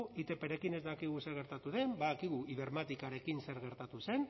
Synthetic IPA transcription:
it̪epeɾe̞kine̞zd̪akiɣ̞use̞ɾɣ̞e̞ɾt̪at̪uðe̞mbaðakiɣ̞uiβeɾmat̪ikaɾe̞kinse̞ɾɣ̞e̞ɾt̪at̪use̞n

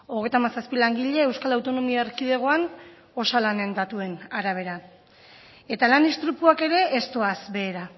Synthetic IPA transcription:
o̞ɣ̞e̞jt̪amasaspilaŋɡiʎe̞ːwskalawt̪o̞no̞miaeɾkið̞eɣ̞o̞an | o̞salane̞nd̪at̪ue̞naɾaβ̞e̞ɾa | e̞t̪alanist̪ɾupuake̞ɾe̞ːst̪o̞asbe̞ːɾa

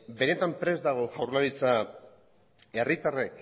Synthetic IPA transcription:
be̞ne̞t̪ampɾe̞zd̪aɣ̞o̞ʝawɾnaɾit͡sa | e̞rit̪arek

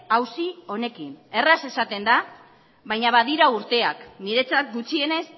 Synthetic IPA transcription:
awsio̞ne̞kine̞rase̞sat̪e̞nd̪a | βajɲaβaðiɾauɾt̪e̞akniɾe̞t͡sat̪̚ɡut͡sie̞ne̞s

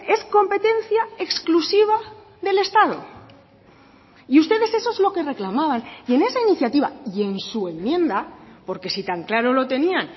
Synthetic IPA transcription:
e̞sko̞mpe̞t̪e̞n̟θjae̞ksklusiβ̞a | ðe̞le̞st̪aðo̞̰ | iust̪e̞ðe̞se̞so̞ezlo̞ke̞re̞klamaβ̞anie̞ne̞sainiθjat̪iβa̰ie̞nsue̞mːjẽ̞nd̪apo̞ɾke̞sit̪aŋklaɾo̞lo̞t̪e̞nian

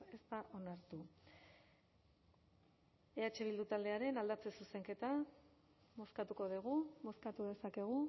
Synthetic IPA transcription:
e̞st̪aʔo̞naɾt̪u | e̞at͡ʃe̞β̞ild̪ut̪ald̪e̞aɾe̞nald̪at͡se̞suse̞ŋke̞t̪a | mo̞skat̪uko̞ðeɣ̞umo̞skat̪uðe̞sake̞ɣ̞u

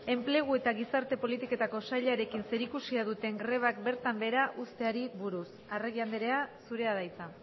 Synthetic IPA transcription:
e̞mple̞ɣ̞ue̞t̪aɣisaɾt̪e̞po̞lit̪iko̞t̪ako̞saʎaɾe̞kinse̞ɾikusiaðut̪e̞ŋɡɾe̞β̞ak̚be̞ɾt̪ambe̞ɾaʔust̪e̞aɾiβuɾus | areɣiand̪eɾe̞asuɾe̞að̞ajt͡sa

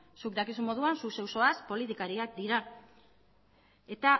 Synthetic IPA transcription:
sukd̪akisumo̞ð̞uansuse̞wso̞aspo̞lit̪ikaɾiak̚d̪iɾa | e̞t̪a

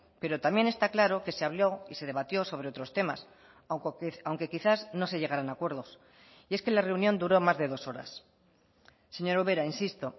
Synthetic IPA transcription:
pe̞ɾo̞t̪amje̞ne̞st̪aklaɾo̞ke̞se̞aβlo̞ise̞ðe̞β̞at̪jo̞so̞βɾe̞o̞t̪ɾo̞st̪e̞ma̰s | awŋke̞kiθazno̞se̞ʝe̞ɣaɾanakwe̞ɾð̞o̞s | ie̞ske̞lare̞unjo̞nd̪uɾo̞mazðe̞ðo̞so̞ɾa̰s | e̞ɲo̞ɾoβe̞ɾainsist̪o̞

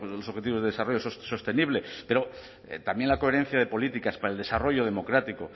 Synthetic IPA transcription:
lo̞soxe̞t̪iβo̞zðe̞ðesaro̞ʝososo̞st̪eniβ̞le̞pe̞ɾo̞ | ḛt̪ambje̞nlako̞e̞ɾẽ̞n̟θjaðe̞po̞lit̪ikaspaɾaeld̪e̞saro̞ʝo̞ð̞e̞mo̞kɾat̪iko̞

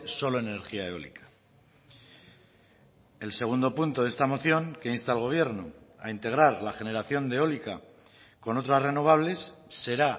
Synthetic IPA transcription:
so̞lo̞ene̞ɾxiaeo̞̰lḭkḁ | e̞lse̞ɣ̞und̪o̞punt̪o̞ðe̞st̪amo̞θjo̞ŋke̞inst̪aelɣ̞o̞β̞je̞ɾno̞a̰int̪e̞ɣ̞ɾaɾlaxe̞ne̞ɾaθjo̞nd̪e̞o̞lika | ko̞no̞t̪ɾasre̞no̞β̞aβ̞le̞sːe̞ɾa

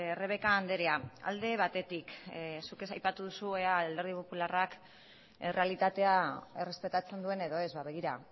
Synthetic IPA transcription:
re̞β̞e̞kaːnd̪e̞ɾeaa̰ld̪e̞β̞at̪e̞t̪iksukesajpat̪uðusueaald̪eɾð̞ipo̞pularak | re̞alit̪at̪e̞aere̞spe̞t̪at͡se̞nd̪ue̞ne̞ðo̞e̞zβaβe̞ɣ̞iɾa

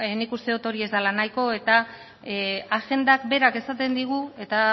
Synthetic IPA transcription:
nikust̪e̞ot̪o̞ɾie̞zd̪alanajko̞e̞t̪a | aɣe̞nd̪akbe̞ɾake̞sat̪e̞nd̪iɣ̞ue̞t̪a

